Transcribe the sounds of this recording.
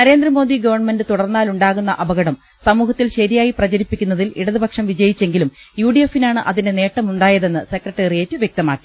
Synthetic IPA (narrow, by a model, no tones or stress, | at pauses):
nɐɾe̞ːnd̪ɾrɐmo̞ːd̪iɡɐʋɐrɳɐme̞nɖɨt̪uɽɐrnːaːluɳɖaːɣun̪ːɐʔɐbɐɣɐɽɐm | sɐmuːɦɐt̪ːilɕɐɾijaːjiprɐd͡ʑɐɾipːikʲːunːɐðiliɽɐðɨbʱɐkʂɐmʋid͡ʑɐjit͡ɕːe̞ŋɡilumjuːɖije̞finaːɳɨʔɐðinde̞ne̞ːʈːɐmuɳɖaːjɐðe̞nːɨsekrɐʈːeːrijeːtːɨʋjek̚t̪ɐmaːkːi̥